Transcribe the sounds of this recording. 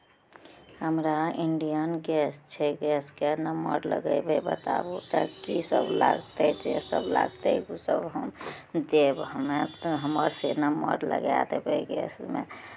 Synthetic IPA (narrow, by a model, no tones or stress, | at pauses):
həmɾaiɳɖijənɡɛst͡ʃʰɛɡɛskenəmə̰ɾlə̰ɡəjbebət̪a̰but̪əkisə̰bla̰ɡt̪ɛt͡ʃesəbla̰ɡt̪eksəbɦəmd̪ebəmeɦəməɾsenəmə̰ɾlə̰ɡa̰t̪ebʱeɡɛ̰smḛ